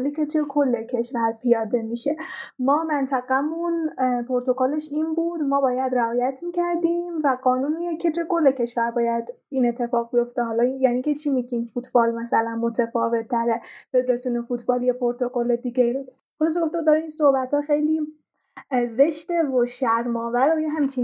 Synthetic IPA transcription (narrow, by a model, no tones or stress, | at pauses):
licʰet̪ʰujekʰo̞lːe̞cʰe̞ʃvæɾpʰijɒːd̪e̞miːʃemɒːmænt̪ʰæɣæmunpʰoɾt̪ʰo̞kole̞ʃiːnbuːd̪mɒːbɒːjæd̪ɾæɒːjæt̪ʰmiːcʰæɾd̪iːmvæɡɒːnuːnijecʰe̞t̪ʰueko̞lːecʰe̞ʃvæɾbɒːjæd̪iːne̞t̪ʰːe̞fɒːɣ̚bijo̞ft̪eɦɒːlɒijæniːce̞t͡ʃʰimiɡiːmfut̪ʰb̥ɒːlmæsælænmot̪ʰefɒːve̞t̪ʰːæɾefed̪ɾɒsuːnefuːt̪ʰbɒːlijepʰoɾt̪ʰo̞kʰoled̪iːɡeibud̪ | xolɒːs̬eɡo̞ft̪ed̪ɒːɾeiːnsohbæt̪ʰhɒːxejliː | ze̞ʃt̪evoʃæɾmɒːvæɾojeɦæmt͡ʃʰi